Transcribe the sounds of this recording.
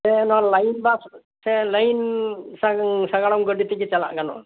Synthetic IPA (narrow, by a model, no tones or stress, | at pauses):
sɛnɔalajnba | sɛlajnsasaɡaɽɔŋɡɔɖit̪ɛkɛt͡ʃala̰ʔɡanɔ̰ʔ